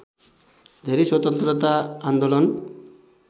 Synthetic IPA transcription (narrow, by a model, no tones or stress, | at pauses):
d̪ʱeɾiswɔt̪ɔnt̪ɾɔat̪aand̪olɔn